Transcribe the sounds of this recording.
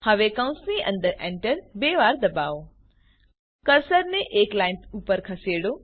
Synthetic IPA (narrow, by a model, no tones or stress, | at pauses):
həʋekəw̃nsniʔə̰̃nd̪əɾẽɳʈəɾbeʋaɾd̪əbao | kəɾsəɾneʔeklaɪnpʰupəɾkʰəseɽo